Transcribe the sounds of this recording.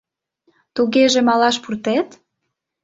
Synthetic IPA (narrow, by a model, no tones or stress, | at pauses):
t̪uɣeʒemɑlɑʃpurt̪et̪